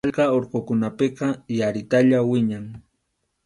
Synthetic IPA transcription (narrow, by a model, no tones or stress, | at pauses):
ʎkɑoɾqokʊnapɪqɑjaɾɪt̪aʎawɪɲaŋ